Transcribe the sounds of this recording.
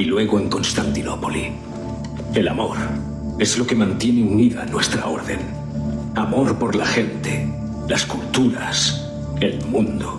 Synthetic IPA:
ilwe̞ɣoeŋko̞nst̪ant̪ino̞po̞li | e̞lamo̞ɾ | e̞zlo̞ke̞mãnt̪je̞neuniðanwe̞st̪ɾa̰o̞ɾðe̞̰n | amo̞ɾpo̞ɾlaxe̞nt̪e̞ | laskult̪uɾas | e̞lmũnd̪o

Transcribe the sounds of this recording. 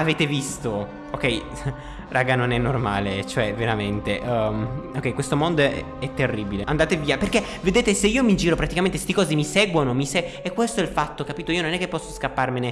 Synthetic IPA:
aveːt̪evist̪o | okɛj | rʔaːɡanonɛnːorma̰ːlet͡ʃoɛveɾament̪eʔok̟ɛjkwest̪omond̪oɛ̰ | ɛt̪ːerːibileʔand̪aːt̪eviːaperke | ved̪eːt̪eseiːomid͡ʒiːɾopɾat̪ikament̪ese̥t̪ikɔːzemiseɡwonomiseekːwest̪oɛlfat̪ːokapiːt̪oiːononɛkːepːɔsːoskapːarmene

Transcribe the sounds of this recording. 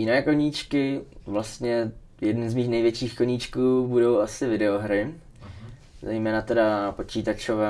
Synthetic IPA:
jɪnɛːkoɲiːt͡ʃkɪvlast̪ɲɛ | jɛdnuzmiːxnɛjvjɛt͡ʃiːxkoɲiːt͡ʃkuːbudo̞wʔasɪvɪdɛoɦɾɪ | zɛjmɛːnat̪ɛdapo̞t͡ʃiːt̪at͡ʃovɛː

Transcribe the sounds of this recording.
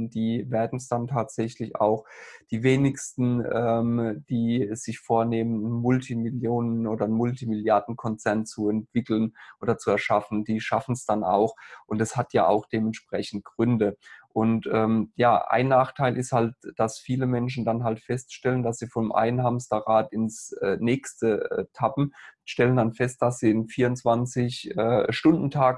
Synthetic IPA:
d̥iːveːɐdn̩sd̥antʰaːtz̥ɛçlɪça̰ʊxd̥iːveːnɪçstn̩ɛːmd̥iːz̥ɪçfoːɐneːmənnmʊltʰimɪljoːnənʔoːdɐnmʊltimɪljaɐdn̩kʰɔnt͡sɛɐnt͡suɛntv̥ɪkl̩ənʔoːdɐt͡suɛɐʃafn̩d̥iːʃafn̩sd̥ana̰ʊxʔʊntɛshatja̰ːa̰ʊxd̥eːmɛntʃpʁ̥ɛçn̩t̚ɡ̥ʁʏndəʔʊntʔɛːmjaːʔa̰ɪnːaːχtʰaɪlʔɪsthalt̚d̥asfiːləmɛnʃn̩danɦaltfɛstʃtɛləndasz̥iːfɔnmʔa̰ɪənɦamstɐʁaːtɪnsɛːnɛːkstəɛtʰapm̩ʃtɛləndanfɛst̚d̥asz̥iːɪnfiːɐʊnt͡sv̥ant͡sɪçʔɛːʃtʊndn̩tʰaːɡ

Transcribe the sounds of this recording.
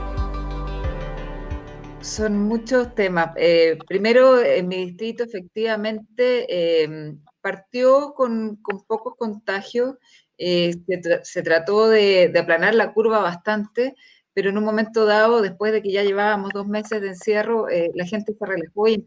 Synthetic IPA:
so̞nmut͡ʃo̞st̪e̞maepɾime̞ɾoenmiðist̪ɾit̪oefe̞k̚t̪iβamẽ̞nt̪eem | paɾt̪jokonko̞mpo̞kosko̞nt̪axjos | eeset̪ɾat̪o̞ðeðeaplanaɾlakuɾβaβast̪ant̪e | peɾo̞enunmo̞me̞nt̪oð̞aoðe̞hpwe̞zðe̞keʝaʝe̞βaβamo̞zðo̞zme̞sezðeːnsje̞ro̞ʔelaxe̞nt̪e̞serelaxoj

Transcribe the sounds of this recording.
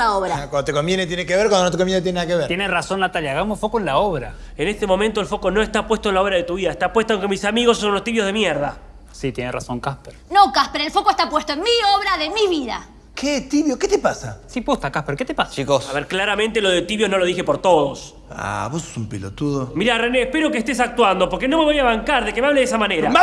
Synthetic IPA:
aoβɾakwand̪ot̪ekombjenet̪jenekeβeɾkwand̪onot̪ekomjent̪jenaðakeβeɾjenerasonːat̪aljaɣamosfokoenlaoβɾa̰ | enest̪emo̞mẽnt̪oelfo̞ko̞no̞est̪apwest̪oenlao̞βɾaðet̪uβiðaest̪apwe̞st̪oõŋkemisamiɣosːonulost̪iβjoð̞emjeɾða̰ | sit̪jenerʔasoŋkaspeɾnokaspeɾelfokoest̪apwest̪oenmioβɾaðemiβiða̰ | ket̪iβjoket̪epasasiput̪akaspeɾket̪epasat͡ʃikosaβeɾklaɾament̪elo̞ðet̪iβjono̞loðixe̞poɾt̪o̞ðos | a̰βose̥sumpelot̪uðomiɾareneːhpeɾokeːst̪esak̚t̪wand̪o̞po̞ɾkeno̞me̞βojaβaŋkaɾðe̞kemeaβleðesamaneɾa

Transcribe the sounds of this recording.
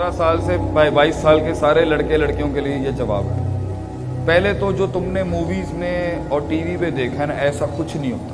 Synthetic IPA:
ɾasaːlsebaːibaːiːsːaːlkesaːɾelɐɽkelɐɽkijõkeliejed͡ʒɐʋa̰ːbɛ̰ | pɛɦlet̪od͡ʒoːt̪ʊmnemuːʋiːzmẽɔːɾʈiːʋipẽd̪eːkʰanãʔɛːsakʊt͡ʃʰnəɦĩɦo̰ːt̪a

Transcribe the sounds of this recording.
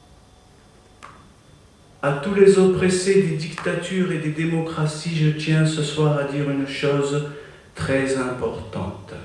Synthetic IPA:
at̪ulezopχesed̪ed̪ikt̪at̪yʁed̪ed̪emɔkχasiʒət̪jɛ̃səswaʁad̪iʁynʃoz | t̪χɛzɛ̃pɔʁt̪ɑ̰̃t̪

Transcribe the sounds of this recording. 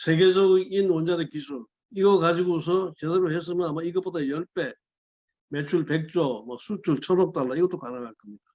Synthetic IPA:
sʰe̞ɡed͡ʑʌɡinwʌnd͡ʑaɾɯkisʰun | iɡʌkad͡ʑiɡos̬ʰʌt͡ɕedeɾohes̬͈ɯmjʌnamaiɡʌp͈odajʌɭp͈e | met͡ɕʰuɭpek̚t͡ɕ͈ʌmʌsʰut͡ɕʰuɭt͡ɕʰʌɾʌk̚t͈aɭːaiɡʌt͈okanɯɡakɯmɲida

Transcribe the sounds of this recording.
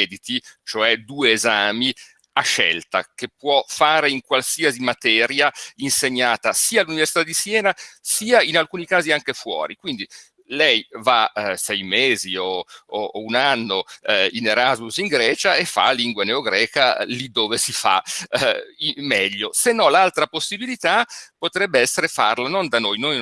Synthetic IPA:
ɛd̪it̪it͡ʃoɛd̪uːeːzaːmi | aʃːɛ̰lt̪a̰kepːwɔfaːɾeiŋkwalsiazimat̪ɛːɾjainseɲːaːt̪asiːaːlːuniversit̪ad̪isjɛːnasiːainalkuːnikaːziaŋkefwɔ̰ːɾikwind̪i | lɛjvasɛjmeːzioounanːoineɾazmusiŋɡɾɛːt͡ʃaefːa̰lːiŋɡwaneoɡɾɛːkalid̪ːoːvesifa̰ | imːɛʎːosenːɔlalt̪ɾaposːibilit̪apot̪ɾɛbːeɛsːeɾefa̰rlanond̪anojnoj

